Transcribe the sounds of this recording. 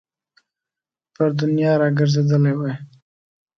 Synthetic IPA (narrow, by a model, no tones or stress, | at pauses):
pəɾd̪ʊnjɑɾɑɡəɾzed̪əlewaj